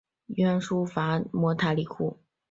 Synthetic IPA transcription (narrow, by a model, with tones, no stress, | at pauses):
ɥɛ˥nʂu˥fa˧˥mwɔ˧˥t̪ʰa˧˥li˧˩kʰu˥˩